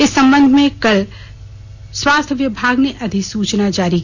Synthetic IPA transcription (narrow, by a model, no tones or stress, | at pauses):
ɪsːɐ̃mbə̃nd̪ʱmẽkɐl | swaːst̪ʰəʋjɪbʱaːɡneʔɐd̪ʱɪksuːt͡ʃnad͡ʒaːɾik